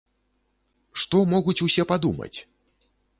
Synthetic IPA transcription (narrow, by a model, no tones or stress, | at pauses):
ʂt̪ɔmɔɣut͡sʲusʲɛpad̪umɐ̰t͡sʲ